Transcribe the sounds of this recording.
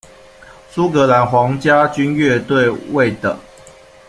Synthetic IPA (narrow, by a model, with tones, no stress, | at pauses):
su˦kɤ˨˦la˨˦nxwɑ˨˦ŋt͡ɕja˦t͡ɕy˦nɥɛ˥˨t̪we˥˨ɪwe˥˨ɪt̪ə̰˨˩